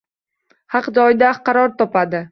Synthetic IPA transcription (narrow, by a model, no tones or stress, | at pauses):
hɑqd͡ʒɒjd̪aqʰɑɾɒɾt̪ʰɒpad̪ɪ